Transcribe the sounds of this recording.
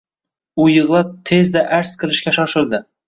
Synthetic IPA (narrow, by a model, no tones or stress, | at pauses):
ʊjɤʁlˠɑt̪ʰezd̪aʔaɾsqʰɨ̆lˠɪʃkʲaʃɒʃɪld̪ɪ